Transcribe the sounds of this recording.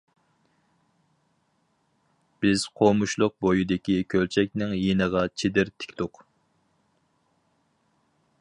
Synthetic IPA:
b̥ɪz̥qʰomuʃlˠʊq̚bojid̪ɪkʲikʲʰølt͡ʃʰɛk̚ʲnɪŋjenəʁɑt͡ʃʰed̪ɪɾt̪ʰɪ̥kʲt̪ʊq

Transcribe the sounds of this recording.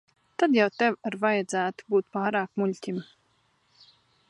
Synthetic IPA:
t̪ad̪jawt̪ɛwaɾvajad̪zæːt̪u̥buːt̪paːɾaːkmulʲt̪ʲim

